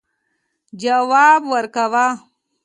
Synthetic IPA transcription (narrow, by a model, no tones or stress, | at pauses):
d͡ʒawaːbwəɾkawa